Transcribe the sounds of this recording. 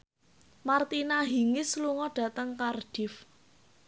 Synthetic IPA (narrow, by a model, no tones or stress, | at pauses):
mart̪inaɦi̤ŋɪsluŋɔɖ̥ä̤t̪əŋkarɖ̥ɪf